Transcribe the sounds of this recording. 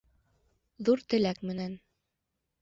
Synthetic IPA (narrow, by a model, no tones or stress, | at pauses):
ðuɾt̪ɘ̆lækmɘ̆næn